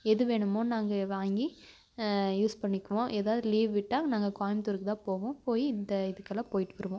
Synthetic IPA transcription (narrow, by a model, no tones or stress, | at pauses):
ɛðɯʋeːɳɯmoːnaːŋɡɐʋaːŋɡi | juːspɐɳːɪkːɯʋõːʔeːðaːʋɯðɯliːʋʋɪʈːãːnaːŋɡɐkaːjɪmt̪ʊɾɯkːɯt̪ãːpoːʋõːpoːjiɪnd̪ɐɪðɯkːɐlãːpoːjɪʈːɯʋɐɾɯʋõː